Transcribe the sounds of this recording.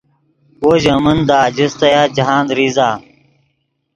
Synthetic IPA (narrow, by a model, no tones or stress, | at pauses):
oːʑɐmɐnd̪aːd͡ʑist̪ɐjaːd͡ʑɐɦaːnd̪ɾizaː